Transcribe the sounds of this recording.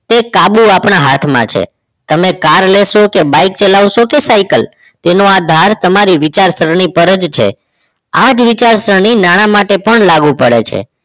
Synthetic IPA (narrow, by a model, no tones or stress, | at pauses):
t̪ekabuapɳ̃aɦat̪ʰmã̰t͡ʃʰḛ | t̪əmekaɾleʃokebaik̚t͡ʃelaʋʃokesaikəl | t̪enoad̪ʱaɾt̪əmaɾiʋit͡ʃaɾsəɾɳ̃ipəɾəd͡ʒt͡ʃʰḛ | ad͡ʒʋit͡ʃaɾsəɾɳ̃inaɽ̃amaʈepəɳlaɡũpəɽḛt͡ʃʰḛ